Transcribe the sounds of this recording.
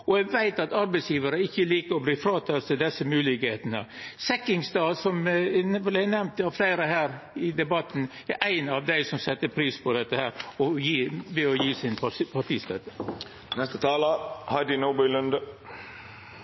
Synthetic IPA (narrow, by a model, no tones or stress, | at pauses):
ɔɛɡʋæɪt̪ɑt̪ɑɾbɛɪsjiːʋəɾəɪçːəliːkəɾɔbliːfɾɑːt̪ʰɑlt̪ʰɪld̪ɛsːəmʉːlɪkheːt̪ənə̰sɛkːɪŋsd̪ɑːsɔmʋɪlæɪnɛʋnt̪ɑʋflæɪɾəɦæːɾɪd̪ɛbɑt̪ːn̩ | æɾʔæɪnɑʋd̪æɪsɔmsɛt̪ːəpʰɾiːspʰɔd̪ɛt̪ːəhæːɾɔjiːʋɛɔjiːsɪnʰpʰɑʈ̪iːst̪øːt̪ə | nɛst̪ət̪ʰɑːlɑhɑɪd̪ɪnoːbɪlʉnd̪ə